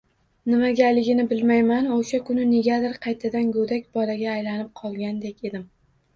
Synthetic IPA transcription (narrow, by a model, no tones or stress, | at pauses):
nɪmaɡʲalɪɡʲɪnɪbɪlmajmanoʃakʰʊnɪneɡʲad̪ɪɾqʰɑjt̪ʰad̪anɡod̪akʲbɒlaɡʲaːjlanɪp̚qʰɒlˠɡʲand̪ekʲe̞d̪ɪm